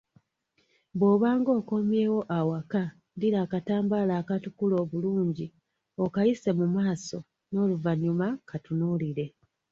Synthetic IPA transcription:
βo̞ːβaːŋɡo̞ːko̞mje̞ːwo̞ʔawaka | ndiɾaːkataːmbalaːkatukulo̞ːβuluːɲɟi | o̞kajise̞mumaːso̞ | no̞ːluvaɲumakatunuliɾe̞

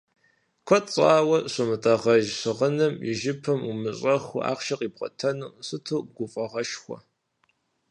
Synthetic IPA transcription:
kʷʰɐt͡sʼaːwɐɕʷɨmɨtʼɐʁɐʒɕɨʁənɨmjɪʒɪpʰɐmumɨɕʼɐxa̰ːqʃɐqʼiːpqʼɐ̰tʰɐnɨmɕɨtʰuːɡʷʊfʼɐʁɐʃxʷɔ̰

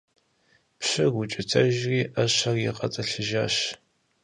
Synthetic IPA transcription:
pɕɨɡʷʊt͡ʃʼɪtʰɐʒriːʔɐɕɐrjɪqʼɐ̰t͡sʼɐɬɨʒaːɕ

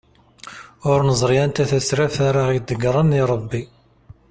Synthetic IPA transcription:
ʊɾnəzˤɾjænt̪æθæsɾæfaɾaʁid̪əɡɾˤəniɾˤəbːi

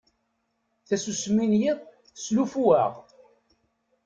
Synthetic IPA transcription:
θæsusmːinjiðˤ | slufuæ̰ʁ

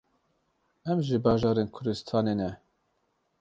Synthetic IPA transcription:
ɛmʒɪbɑːʒɑːɾeːnkʰʊɾd̪ɨst̪ʰɑːneːnɛ

